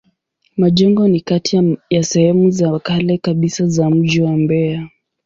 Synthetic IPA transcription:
maʄɛŋɡɔnikatijasɛhɛmuzakalɛkaɓisazam̩ʄiwambɛa

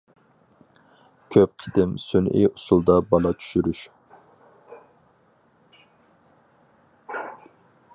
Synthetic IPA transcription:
kʲʰøp̚qʰid̪ɪmsynʔḭʔusulˠd̪ɑbɑlˠɑt͡ʃʰy̥ʃyɾyʃ

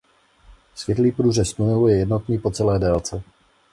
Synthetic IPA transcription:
svʲjɛt̪liːpɾuːʒɛst̪ujɛujɛjɛd̪not̪niːpot͡sɛlɛːdɛːlt͡sɛ

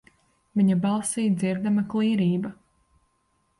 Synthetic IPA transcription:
viɲabɑlˠsiːjd̪ziɾd̪amaklˠiːɾiːbɐ

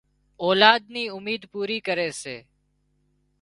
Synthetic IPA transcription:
oːlaːd̪̚niːʊmiːd̪puːɾiːkəɾeːseː

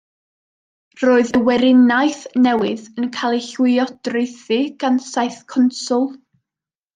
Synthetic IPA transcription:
roːɨðəwɛɾɪnajθnɛwɪðənkʰalˠiɬwɪɔdrɪjθɨɡ̥ansajθkʰɔnsʊlˠ

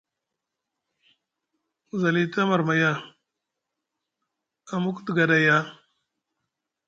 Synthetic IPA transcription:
zɐlit̪amɐɾmɐja | amukt̪ɡɐdaja

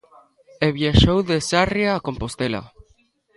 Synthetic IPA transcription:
eβjaʃowðesarjaːko̞mpost̪ela̰

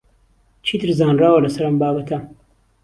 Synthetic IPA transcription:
t͡ʃʰiːt̪ʰɨɾzaːnraːwɐlɐsɐɾɐmbaːbɐt̪ʰɐ

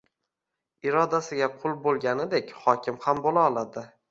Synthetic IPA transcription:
ɪɾɒd̪asɪɡʲaqʰʊlˠbolˠɡʲanɪd̪e̞kʲχɒkʲʰɪmhambolaɒlˠad̪ɪ

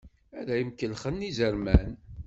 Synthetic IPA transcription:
ælæjəmkːəlχənːizəɾmæn

